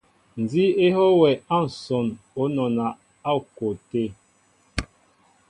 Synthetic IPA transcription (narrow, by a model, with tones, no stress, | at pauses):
n̩˨d͡zi˦e˦ɦɔ˦wɛ˨a˦˨n̩˨sɔ˨n | o˨˦nɔ˨na˨ | a˦˨ko˨te˦˨